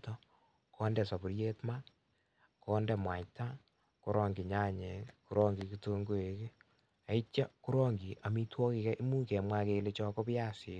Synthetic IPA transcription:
tɔ˦ | kʰɔː˦ndɛ˨sa˨bu˨ɾje˦tma˦ | kɔː˦ndɛ˨mwa˨ɲta˦ | ku˦ɾʔɔː˦ŋɡi˨ɲaː˦ɲe˨ku˦ɾɔː˦ŋɡi˨ki˦to˦ŋɡo˦e˨ke˦ | a˨i˦t͡ʃa˦ku˦ɾɔ˦ŋɡi˨ʔa˨mi˦twɔ˦ki˧kɛ˦ʔi˦mu˦kɛ˨mwa˦ke˧le˦t͡ʃɔː˧kɔ˦pɪ˦ja˦sɪ˨

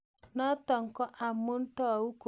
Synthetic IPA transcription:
nɔ˦tɔ˨ŋ̩˨kɔ˦ʔa˨mːʊ˦n̩˦tɔ˦a˨wu˦k

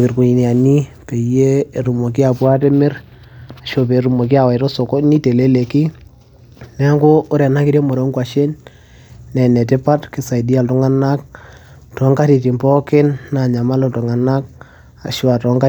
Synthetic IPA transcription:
ki˨ɾku˨ɲi˨ni˨a˨ni˦pe˨jeː˦˨ɾu˨mo˨k̬i˦a˨pwa˦tɛ˦mɪ˦ɾ | a˨ʃo˨pe˨ɾu˨mo˨ki˦a˨wa˨ɪ˨tɔ˦so˨kɔ˦ni˦te˨le˦le˨ki˦ | nɛ˨˦a˦ŋɡo˦ʊ˦ɾɛ˨na˦ki˦ɾje˦mɔ˨ɾo˨˦ŋkwa˨ʃe˦n | nɛ˨nɛ˨tɪ˦pa˦tkɪ˨sa˨i˨di˦a˨ltʊ˦ŋa˦na˦k̚ | tɔ˨˦ŋka˦ti˨ti˨mpɔ˦kɪ˦nːa˨ɲa˨ma˦lo˨tu˨ŋa˨na˦k̚ | a̰˨ʃo˦a˨tɔ˨˦ŋka˦

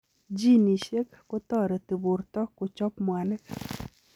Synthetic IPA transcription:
d͡ʒi˦ni˨ʃe˦kːo˦t̪ɔ˦˨ɾe˨t̪i˨bu˨rt̪ɔ˦kːo˨t͡ʃɔ˦pmwa˨nɛ˦k

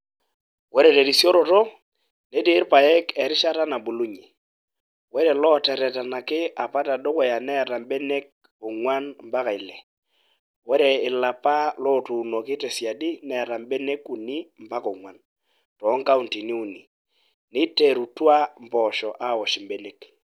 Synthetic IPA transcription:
wɔ˦ɾɛ˨te˨di˨sjɔ˦ɾɔ˨tɔ˦ | ne˦ti˦ɾpa˨jɛ˦kɛ˨ɾɪ˦ʃa˦ta˦na˨bu˨lu˦ɲi˨ | wɛ˦ɾɛ˨lɔ˦tɛ˨ɾɛ˨ta˨na˨kɪ˦a˨pa˦ta˨dɔ˦kɛ˨ja˨nɛ˦˨ɾa˨m˦bɛ˦ne˦kː | ʊ˨ŋwa˦nm̩˦ba˦ka˨i˨lɛ˨ | wɔ˦ɾɛ˨ɪ˨la˨pa˦lɔ˦tu˨no˨kɪ˦tɛ˨si˨a˨dɪ˦nɛ˨ɾa˨mbe˦ne˦ku˨ni˦m̩˨pa˦kɔ˨ŋwa˨n | tɔ˨˦ŋ˦ka˦u˨nti˨ni˦u˨ni˨ | nɪ˦te˨ɾu˨twa˦m̩˨pɔ˨ʃɔ˨ʔa˦˨wɔ˨ʃɪ˨m˦be˨˦ne˦k

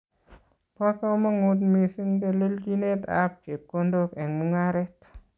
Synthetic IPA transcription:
pɔ˦sɔ˦mɔ˦ŋu˦t̬mi˨si˦ŋɡe˧le˦ld͡ʒi˦ne˦ta̰˦p̚t͡ʃe˨p̚ko˦ndo˦kɛ˨ŋmu˦ŋa˦ɾɛ˦t

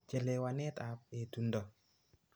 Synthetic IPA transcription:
t͡ʃɛ˨lɛ˨wa˨nɛ˦ta˨pe˨tu˨ndɔ˨

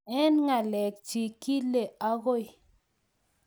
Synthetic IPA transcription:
ɛ˦nŋa˨lɛ˨k̚t͡ʃi˨ki˦le˨a˦ɣo˦j

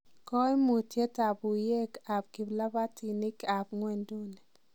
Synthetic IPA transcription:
kɔ˦i˦mu˨tje˦ta˨bu˨je˦ka˨p̚ki˨bla˦ba˦tʰi˨ni˦ka˨pŋwɛ˨ndu˦nɛ˨

